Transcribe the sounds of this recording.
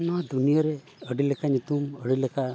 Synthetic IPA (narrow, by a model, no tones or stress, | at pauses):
nad̪unijaɾe | əɽilekʰanit̪uməɽilekʰa